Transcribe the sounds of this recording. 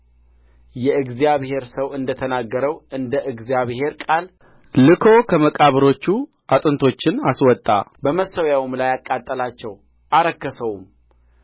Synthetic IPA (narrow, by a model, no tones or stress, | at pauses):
jɛɨɡzijaβhe̞ɾsəwɨnd̪ət̪ʰənaɡːəɾəwɨnd̪əʔɨɡzjaβhe̞ɾkʼal | lɨkʰo̞kʰəməkʼaβɨɾot͡ʃːu | ʔat̪ʼɨnt̪ʰo̞t͡ʃːɪnaswɔt̪ʼːa̰bəməsəwjawumlajakʼːat̪ʼːəlat͡ʃːɛw | ʔaɾəkːəsəwum